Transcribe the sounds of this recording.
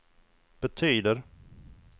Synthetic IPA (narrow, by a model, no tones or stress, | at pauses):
b̥ɛt̪ʰyːd̪əɾ